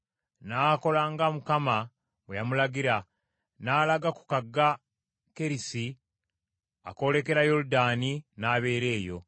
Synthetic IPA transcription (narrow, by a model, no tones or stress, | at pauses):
naːko̞laːŋɡamukama | wejamulaɡiɾa | naːlaɡaku̥kaɡːa | ke̞ɾisi | a̰ko̞le̞ke̞ɾajo̞ɾudaːninaːβe̞ːɾe̞ːjo̞̰